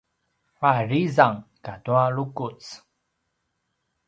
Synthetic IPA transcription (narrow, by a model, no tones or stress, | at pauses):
farizaŋkatualukut͡s